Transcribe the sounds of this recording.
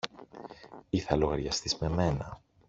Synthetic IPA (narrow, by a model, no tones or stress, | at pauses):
iθɐloɣɐɾʝɐst̪izme̞me̞nɐ